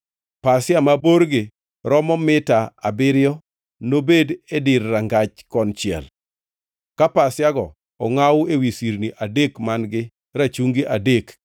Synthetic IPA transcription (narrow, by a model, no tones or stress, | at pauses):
pasɪjamaboɾɡɪ | ɾɔmɔmɪtaa̰bɪɾjɔ | nobededɪrːaŋɡat͡ʃkɔnt͡ʃɪɛ̰l | kapasjaɡɔ | ɔŋawʊewisiɾniʔadekmanɡɪ | ɾat͡ʃuŋɡɪʔadek